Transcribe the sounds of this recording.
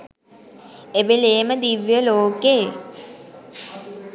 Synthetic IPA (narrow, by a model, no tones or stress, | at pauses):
ebeleːməd̪iʋːjəloːkeː